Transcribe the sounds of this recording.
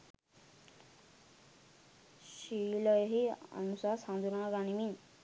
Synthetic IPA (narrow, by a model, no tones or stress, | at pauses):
ʃilɔjɦia̰nusasãnd̪uɾãŋɡanimin